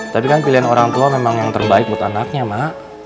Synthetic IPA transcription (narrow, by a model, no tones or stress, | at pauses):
t̪apikanpiliɦanoɾaŋt̪uamemaŋjaŋt̪ərbaɪk̪̚buat̪anak̚ɲamaʔ